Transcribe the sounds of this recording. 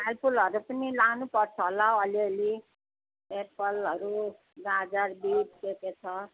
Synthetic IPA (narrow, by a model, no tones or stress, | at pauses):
alpʰulʌɾupʌnilanupʌrt͡sʰʌɦolaʌliʌli | epʌlɦʌɾu | ɡad͡zarbidkeket͡sʰʌ